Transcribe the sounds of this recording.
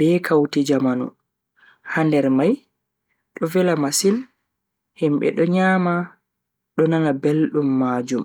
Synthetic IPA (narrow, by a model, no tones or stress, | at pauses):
b̥ɛːkʰawtid͡ʒamanṵ | handɛɾmaj | ɗɔvɛlamasil | himɓɛ̰ɗɔɲaːma | ɗɔnanabelɗumːaːd͡ʒum